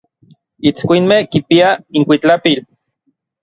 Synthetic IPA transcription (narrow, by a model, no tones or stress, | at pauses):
it͡skʷinmehkipiaiŋkʷit͡ɬapil